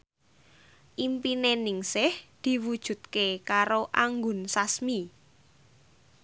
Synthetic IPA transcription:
ʔimpinenɪŋsɪhd̪̥i̤wud̥ʒ̥ṳt̪̚kekaɾoʔaŋɡʊnsasmi

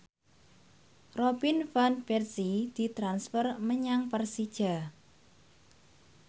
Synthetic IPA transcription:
robinfanbɛrsid̪̥i̤t̪ɾansfərməɲaŋpərsid̥ʒ̥a̤

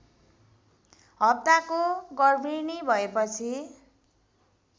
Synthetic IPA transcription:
ɦʌp̚t̪akoɡʌrbʱinibʱʌepʌt͡sʰi

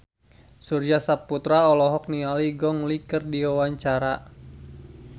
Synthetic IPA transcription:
surd͡ʒasaput̪ɾaɔlɔɦɔk̚nialiɡɔŋlikərdiwawaɲt͡ʃaɾa

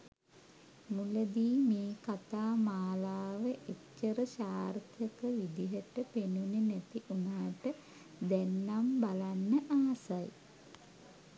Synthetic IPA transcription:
muləd̪iːmeːkat̪aːmaːlaːʋəʔecːəɾəɕaːrt̪jəkəʋid̪iɦəʈəpenunenɛt̪iʔunaːʈə | d̪ænːambalanːəʔaːsaj

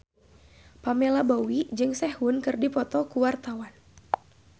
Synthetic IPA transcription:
pamelabowid͡ʒɨŋsɛhwʊnkɨrdipɔt̪ɔkuwart̪awan

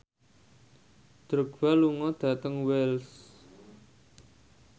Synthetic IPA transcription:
d̪̥ɾəɡ̥waluŋɔd̪̥ä̤t̪əŋwɛls

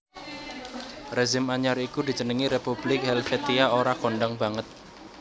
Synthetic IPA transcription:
rezɪmaɲaɾikud̪i̤d͡ʒənəŋiɾepublɪk̚hɛlfɛt̪iaoɾakoɳɖaŋbaŋət̪̚

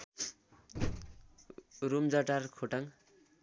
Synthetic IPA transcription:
rumd͡zʌʈarkʰoʈʌŋ

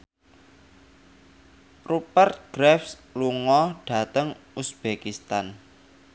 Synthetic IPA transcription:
rupərt̪̚ɡ̥ɾɛfsluŋɔɖ̥ä̤t̪əŋusb̥ekist̪an

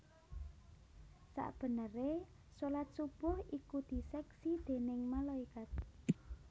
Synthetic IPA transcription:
sa̰ʔb̥ə̤nəre | sulat̪̚sub̥ʊhikud̪̥i̤sɛksid̪̥e̤nɪŋmalaikat̪̚

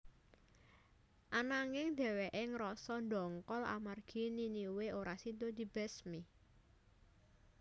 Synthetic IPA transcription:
ʔanaŋɪŋd̪̥ɛ̤weʔɪŋɾɔsɔnd̪ɔŋkɔla̰marɡ̥i̤niniweoɾasid̪od̪̥i̤b̥ɛsmi

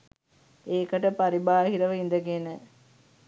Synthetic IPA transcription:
eːkəʈəpaɾibaːhiɾəʋəind̪əɡenə

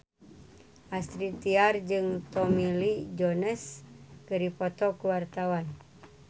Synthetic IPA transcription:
ʔast̪ɾit̪iard͡ʒɨŋt̪ɔmilid͡ʒɔnəskəɾipɔt̪ɔkuwart̪awan

